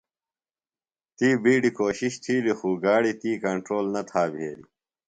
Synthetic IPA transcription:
t̪iːbiːɖikoːɕiɕt̪ʰiːlixuːɡaːɽit̪iːkɐɳʈɾoːlnɐt̪ʰaːbʱeːli

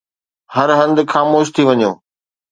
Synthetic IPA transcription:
hɐɾɦɐ̃nd̪xaːmoːʃt̪ʰiʋɐɲõː

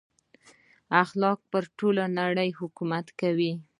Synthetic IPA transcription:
axlɑk̚pəɾʈolanaɽəjhʊkumat̪kawi

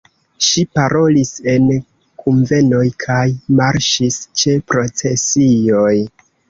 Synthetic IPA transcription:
ʃipaɾʔo̞lise̞n | kʰunve̞no̞jkʰajmaɾʃist͡ʃe̞pɾo̞t͡se̞sijo̞j

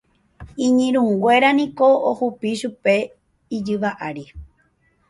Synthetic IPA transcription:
ĩɲĩɾ̃ũŋɡʷe̞ɾanĩkoohupiʃupe̞ | id͡ʒɨʋaʔaɾi

